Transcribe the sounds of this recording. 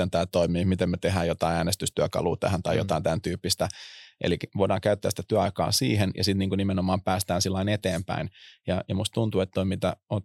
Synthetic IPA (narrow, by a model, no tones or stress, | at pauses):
ent̪æːlt̪oimiːmit̪emmet̪eɦæːjot̪ɑiæːnest̪yst̪yækɑ̰lṵːt̪æ̰hænt̪ɑijo̰t̪ɑint̪ænt̪yːpːist̪æʔḛlikeoidɑːŋkæyt̪ːæsit̪æt̪yæɑikɑ̰ːsiːɦenjɑ̰sit̪niːŋkunimenomɑːmpæːst̪æːnsilːɑinet̪eːmpæ̰injɑjɑmust̪t̪unt̪uet̪t̪oimit̪æ̰ot̪